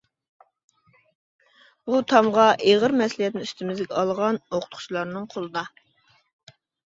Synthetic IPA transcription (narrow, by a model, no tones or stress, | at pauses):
but̪ʰɑmʁɑʔeʁəɾmɛslˠijɛt̪̚nɪnyst̪ɪmɪzɡʲɛɑlˠʁɑnoqʰʊ̥t̪qʰʊ̥t͡ʃlˠɑɾnɨŋqʰolˠɨd̪ɑ